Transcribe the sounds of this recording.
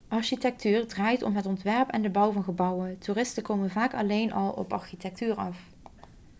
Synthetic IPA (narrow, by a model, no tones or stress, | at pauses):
ʔɑɹʃitɛk̚tyːɹdraːjtɔ̰mɦətɔntʋɛɹpɛ̰ndəbʌwvɑnχəbʌwəntuːrɪstəkowmənvaːkɑlejnʔɑlˠɔ̰pɑɹxitɛk̚tyːɹɑf